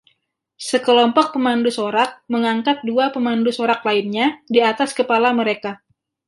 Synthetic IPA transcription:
səkəlɔmpɔk̚pəmandusoɾak̚məŋaŋkat̪̚duapəmandusoɾak̚laɪnɲadiat̪askəpalaməɾeka

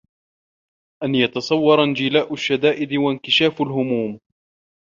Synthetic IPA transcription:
ʔanjɑt̪ɑsˤɑwːɑɾˤand͡ʒɪlaːʔʊʃːad̪aːʔɪd̪wankɪʃaːfʊlɦʊmuːm

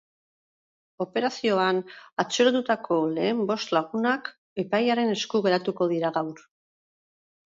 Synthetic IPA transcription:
o̞pe̞ɾasio̞anat͡seɾot̪ut̪akʰo̞le̞ːmbo̞st̪laɣ̞unak | e̞pajaɾe̞ne̞skuɣe̞ɾat̪uko̞ð̞iɾaɣawɾ

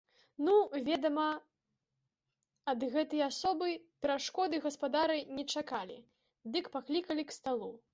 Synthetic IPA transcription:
nuvʲɛd̪ɐmɐ | ɐd̪ɣɛt̪ɐjɐasɔbɨpʲɛɾaʂkɔd̪ɨɣɐspad̪aɾɨnʲɛt͡ʂakalʲḭ | d̪ɨkpaklʲikɐlʲikst̪alˠu

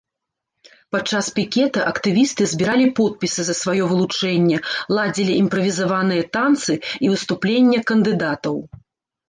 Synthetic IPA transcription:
pat͡ʂːaspʲikʲɛt̪ɐʔɐkt̪ɨvʲist̪ɨzʲbʲiɾalʲipɔt̪̚pʲisɨzɐsvajɔvɨlˠut͡ʂɛnʲːɛlˠad͡zʲilʲiʔimpɾɐvʲizavanɨjɐt̪ant̪sɨivɨst̪uplʲenʲːɛkɐnd̪ɨd̪at̪ɐw

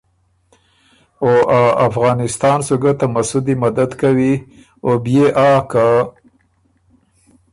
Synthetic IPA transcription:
oʔaafɣɑːnɪst̪ɑnsuɡat̪amasʊd̪imad̪ad̪kawi | objeʔaːka

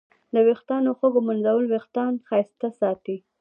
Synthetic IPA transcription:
lawext̪ɑnoxəɡomʊnzawəlwext̪ɑnxɑjst̪asɑt̪i

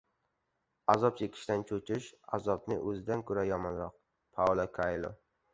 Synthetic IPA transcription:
azɒpjekʲʰɪ̥ʃt̪ant͡ʃʰot͡ʃʰɪʃa̰zɒp̚nɪʔɵzɪd̪ankʰʊɾajɒmɒnɾɒq̚ | pʰawlˠakʰajlˠo̰

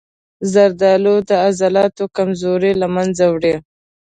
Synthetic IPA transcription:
zaɾd̪ɑlod̪əazalɑt̪okamzoɾelamanzawɽe

